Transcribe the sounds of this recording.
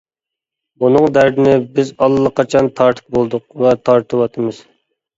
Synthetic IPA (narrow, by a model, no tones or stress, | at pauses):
bunɨŋd̪æɾd̪ɪnɪbɪzɑlˠːəqʰɑt͡ʃʰɑnt̪ʰɑɾt̪ʰə̥q̚bolˠd̪ʊq̚vɛt̪ʰɑɾt̪ʰɨwɑt̪ʰɨmɨz̥